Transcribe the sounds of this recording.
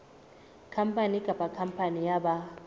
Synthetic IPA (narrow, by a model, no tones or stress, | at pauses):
kʰampʰʼaniɡ̥ʱapʼakʰampʰanijaɓa